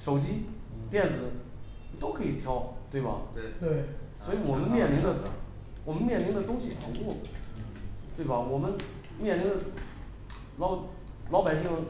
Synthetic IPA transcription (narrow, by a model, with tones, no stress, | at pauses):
ʂo˨˩ʊt͡ɕi˥ | t̪jɛ˥˩nd͡zɹ̩˨˧˥ | t̪o˥ʊkʰɤ˧˥i˨˩t̪ʰjɑ˧˥ʊt̪we˥˩ɪbɐ̰˨˩ | swɔ˥i˧˥wɔ˨˩mə˦nmjɛ˥˩nli˧˥ŋd̪ə˧ | wɔ˨˩mə˦nmjɛ˥˩nli˧˥ŋd̪ə˨˧t̪ʊ˥ŋɕi˨˩xʰɑ˨˧˥ŋkwɔ˥˩ə | t̪we˥˩bɐ˩wɔ˨˩mə˦n | mjɛ˥˩nli˧˥ŋd̪ə˧ | lɑ˧˥ʊ | lɑ˧˥ʊpa˨˩ɪɕi˥˩ŋə˧